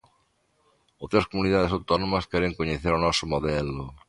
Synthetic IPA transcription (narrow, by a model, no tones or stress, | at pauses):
owt̪ɾɐskomuniðaðeɪsawt̪ɔnõmɐskɛɾeŋkoɲeθeɾonɔsʊmoðɛlʊ